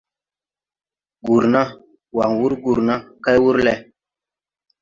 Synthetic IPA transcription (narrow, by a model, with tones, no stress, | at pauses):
ɡu˨ɾna˦ | wa˨ŋwu˦ɾɡu˨ɾna˦ka˦jwu˦ɾlɛ˨